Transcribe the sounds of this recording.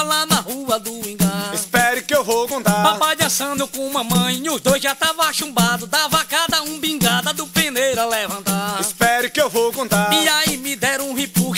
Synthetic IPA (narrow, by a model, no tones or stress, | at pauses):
lanɐhuɐd̪ʊĩɡ̃aispɛɾʊkɪewvowkõt̪apapad͡ʒɐ̃sɐ̃d̪ʊkõũmɐmɐ̃j̃iʊzd̪ojzʒat̪avɐaʃũbad̪ʊd̪avakad̪ɐũbĩɡad̪ɐd̪ʊpẽnejɾɐlɛvɐ̃nt̪aispɛɾʊkɪewvowkõnt̪aiaimɪd̪ɛɾũhepuʃ